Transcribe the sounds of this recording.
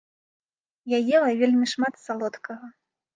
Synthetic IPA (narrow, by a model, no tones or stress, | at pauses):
jajɛlˠɐvʲelʲmʲiʂmat̪salˠɔt̪kɐɣɐ